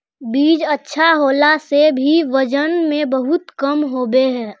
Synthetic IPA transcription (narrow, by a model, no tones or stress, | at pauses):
biːd͡ʒətːʃʰaɦoːlasebʱiʋəd͡ʒənmẽbəɦʊt̪kəmɦoːbeɦɛ̃ː